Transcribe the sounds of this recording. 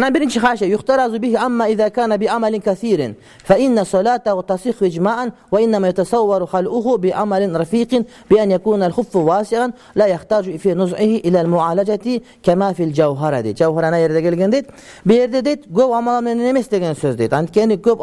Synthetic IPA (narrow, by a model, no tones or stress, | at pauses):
nabiɾint͡ʃixaːʃejʊxt̪ɑɾˤɑzubɪhiʔamːaʔɪðaːkaːnabɪʔamalɪnkaθiːɾn | faʔɪnːasˤɑlaːt̪ahʊt̪ɑsˤixʔɪd͡ʒmaːʔanwaʔɪnːamaːjat̪ɑsˤɑwːɑɾxalʔʊɦʊbɪʔamalɪnɾˤɑfiːqɪn | bɪʔanjakuːnalxʊfːwaːsɪʕan | laːjaxt̪aːd͡ʒfiːnʊzʕɪhiʔɪlaːlmʊʕaːlad͡ʒat̪i | kamaːfild͡ʒawɦaɾˤa̰d̪ḛt̪̚d͡ʒawɦaɾanajeɾd̪eɡelɡend̪et̪̚ | bejeɾd̪ed̪et̪ɡobamalamnennemest̪eɡensoːzd̪ḛt̪and̪keniɡob